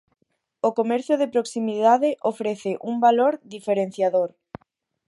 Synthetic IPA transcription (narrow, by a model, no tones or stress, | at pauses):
okomɛɾθjoðepɾoksimiðaðeʔofɾeθeʔumbaloɾðifeɾen̟θjaðoɾ